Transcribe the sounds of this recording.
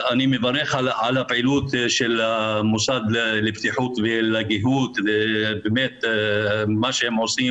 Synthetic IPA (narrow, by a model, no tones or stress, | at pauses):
ʔanimevaɾˤːeχalʕalabʕilut̪ʃelamusad̪lebt̪iħut̪velaɡiɦut̪ebemet̪ | maʃehemʕosi